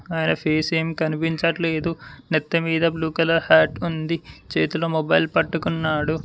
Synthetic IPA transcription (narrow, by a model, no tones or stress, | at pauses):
aːjnɐpʰeːseːmikɐnipiɲt͡ʃɐʈle̞ːd̪unɛt̪ːɐmiːd̪ɐbluːkɐlɐhaːʈund̪it͡ʃḛːt̪uloːmobɐjlpɐʈːukunːaːɽu